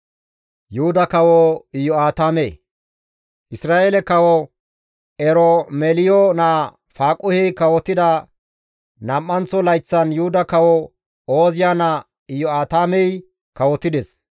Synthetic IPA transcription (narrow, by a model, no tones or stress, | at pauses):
jʊhʊd̪ɐkɐwɔɪjɔaːt̪aːmḛː | ʔɪsɾaːʔeːlɛkɐwɔ | ɛɾɔmɛlɪjɔnaː | faːkʼʊhɛjkɐwɔt̪ːɪd̪ɐ | nɐmːɐnt͡sːɔlɐjt͡sːɐnjʊhʊd̪ɐkɐwɔ | oːzɪjaːnɐ | ɪjːɔaːt̪aːmɛj | kɐwɔt̪ːɪd̪ɛs